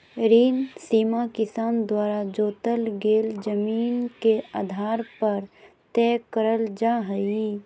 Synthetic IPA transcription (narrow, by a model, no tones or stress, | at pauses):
ɾiːnsiːmakɪsaːnd̪waːɾad͡ʒoːt̪əlɡeːld͡ʒəmiːnkea̰ːd̪ʱaːɾpəɾ | t̪ɛːkəɾəld͡ʒaːɦəi